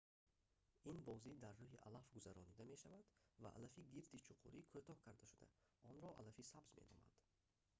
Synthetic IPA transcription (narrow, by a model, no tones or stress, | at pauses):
inbɔzid̪arːuɦiʔa̰lafɡuzaɾɔnid̪ame̞ʃavad̪va̰ʔa̰lafiɡiɾt̪it͡ʃʰuqʰuɾikʰut̪ʰɔhkʰaɾd̪aʃud̪a̰ | ɔnɾɔʔa̰lafisabzmenɔ̰ma̰d̪̥